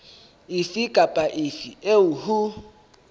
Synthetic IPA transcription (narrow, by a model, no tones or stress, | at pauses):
ɪfikʼapʼaʔɪfieʊhu